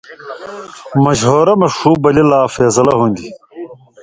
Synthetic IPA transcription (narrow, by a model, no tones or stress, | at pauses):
mɐʑɦoːɾɐmɐʂuːbɐlilaːfeːsɐlɐɦũnd̪i